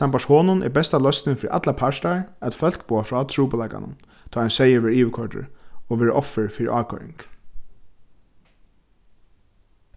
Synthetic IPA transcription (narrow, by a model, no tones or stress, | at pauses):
sampaʂhoːnʊnʔɛ̰ɾbɛst̪alœst̪nɪfɪɾḭʔa̰t̪lapʰaʂt̪aɹæt̪fœl̥kpoːafɹɔːt̪ʰɹuːpalaɪka̰nʊ̰n | t̪ʰɔːajnsɛjəʋɛːɾiːʋɪkʰɔɹʈɪ̰ɾɔʋɛːɹʔɔfːəɹfɪɾḭʔaːkʰɔ̰ɹɪ̰ŋk